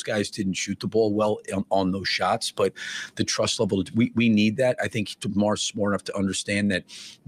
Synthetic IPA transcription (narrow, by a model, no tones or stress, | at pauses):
zɡ̥aɪzdɪdⁿn̩tʃʉt̪̚ðəbɔlˠwɛlˠə̃nðoʊz̥ʃɑtsb̥ʌt̪̚ðɨtʰɹ̥ʌstˡlɛvl̩ˠwiwinid̪̚ðæɾaɪθɪ̃ŋktʰmɔɹsmɔɹənʌftʰəʔʌ̃ndə˞stæ̃nðɨt̪̚